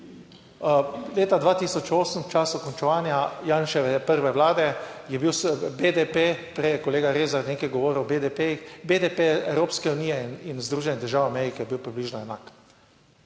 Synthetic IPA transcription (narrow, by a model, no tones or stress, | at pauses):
leːt̪ad̪ʋaːt̪isɔt͡ʃoːsəmt͡ʃaːsukɔnt͡ʃɛʋaːnjajaːnʃɛʋɛpəɾʋɛʋlaːd̪ɛjɛbiwsbed̪epep̪ɾɛjɛkɔleːɡaɾeːzaɾnʲeːkajɡɔʋoːɾəwbed̪epejixbed̪epeɛwɾoːpskɛuniːjɛninzd̪ɾuːʒɛniɣd̪əɾʒaːwamɛɾikɛjɛbiwpɾibliːʒnɔɛnaːk